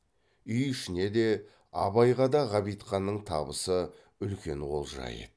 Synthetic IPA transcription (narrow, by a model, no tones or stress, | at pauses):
ʏjʏʃɪne̞d̪e̞ | ɑ̰βɑjʁɑd̪ɑʁɑbijt̪χɑnːəɴt̪ʰɑ̰bəsə | ʏlkʲe̞ɴʁo̞̰lˠʒɑ̰jə̰